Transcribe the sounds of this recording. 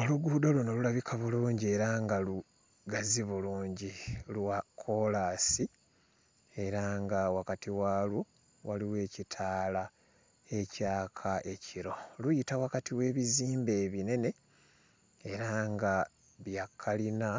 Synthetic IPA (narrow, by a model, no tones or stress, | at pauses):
o̞luɡuːdolono̞lulaβikʰaβuluːɲɟie̞ɾaŋɡalu | ɡaziβuluːɲɟilwakʰo̞lasi | e̞ɾaŋɡawakatʰiwaːlwo | waliwe̞ːcitʰaːla | e̞caːkʰaʔe̞cʰiɾo̞lujitawakatʰiwe̞ːβiziːmbe̞ːβine̞ne̞ | eɾaŋɡa | βjakʰːalina